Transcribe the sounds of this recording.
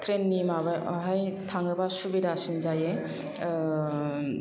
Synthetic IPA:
tʰɾenːimabaɦajtʰaŋɯbasubidasinzaje

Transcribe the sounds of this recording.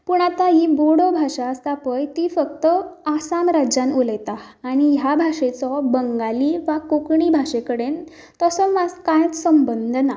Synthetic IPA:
puɳ̃at̪aɦiboɽɔbʱaʂast̪apəjt̪ifək̚t̪əasamɾad͡ʑanuləjt̪a | aɽ̃ijabʱaʂet͡sɔbəŋɡaliʋakokɳibʱaʂekəɽen | t̪əsɔmaskajt͡ssəmbənd̪ʱna

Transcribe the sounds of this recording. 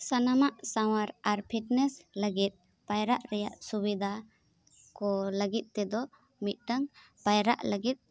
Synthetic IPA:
sanamaʔsaw̃aɾaɾpʰiʈnɛsləɡit̪̚ | pajɾaʔɾɛja̰ʔsubid̪ʱa | kɔləɡit̪̚ˀt̪ɛd̪ɔ | mit̪̚ˀʈaŋ | pajɾa̰ʔləɡit̪̚

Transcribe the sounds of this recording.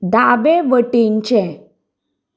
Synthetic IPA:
daʋeʋəʈiɲt͡ɕɛ̃

